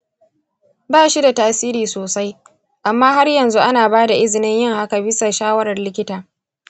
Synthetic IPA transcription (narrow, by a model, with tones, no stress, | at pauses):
baː˦˨ʃi˦da˨taː˦siː˦ɾiː˨soː˨sa˦j | ʔa˨mːaː˦ɦa˦rjɐ˨nzu˦ʔa˦naː˨baː˦da˨ʔɪ˦zɪ˨nɪ˦ɲjɪ˦ŋʔa˦ka˨bɪ˦sa˨ʃaː˦wɐ˦ɾɐ˨rlɪ˦kʲɪ˦taː˨